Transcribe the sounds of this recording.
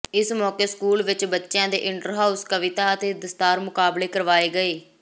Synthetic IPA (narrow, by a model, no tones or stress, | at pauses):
ɪsmɔːkeːskuːlʋɪt͡ʃbətːʃjãːd̪ḛːʔɪɳʈəɾɦaːuskəʋɪt̪aːət̪eːd̪əst̪aːɾmʊkaːbleːkəɾʋaːeːɡəeː